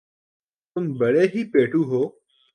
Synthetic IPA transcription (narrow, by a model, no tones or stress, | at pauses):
t̪ʊmbɐɭeɦiːpeːʈʰuɦoː